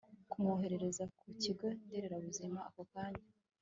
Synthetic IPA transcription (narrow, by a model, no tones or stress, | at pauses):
kumoɦe̞ɾe̞ɾe̞zakuciɡo̞ndeɾeɾaβuzimaako̞kaːɲda